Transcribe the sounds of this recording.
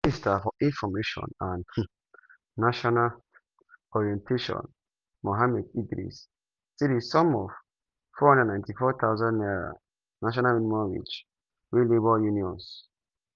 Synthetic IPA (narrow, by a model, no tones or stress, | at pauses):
nistafɔʔĩnfɔmeʃɔ̰̃nãn | naʃɔnal | ɔɹiɛ̃ntʰeʃɔ̰̃n | moɦamɛdiɡɾḭs | siɾisɔ̃mɔv | fɔhndãnãntifɔt̪ʰaʊzãnnɛɹa̰ | naʃ̬ɔnaminimɔwḭd͡ʒ | wilebɔjuniɔ̃ns